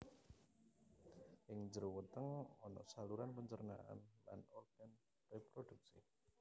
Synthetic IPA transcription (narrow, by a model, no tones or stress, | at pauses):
ʔɪŋd͡ʒəɾuwət̪əŋɔnɔ̰ʔsaluɾanpəɲt͡ʃərna̰ʔa̰nla̰nɔrɡ̥ɛn | repɾoduk̚si